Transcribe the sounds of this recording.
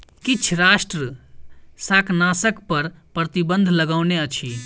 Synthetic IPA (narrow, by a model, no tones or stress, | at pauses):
kɪt͡ʃʰɾaːʃʈɾə | saːknaːsəkpɐɾpɾət̪ibə̃nd̪ʱləɡaːʊneət͡ʃʰi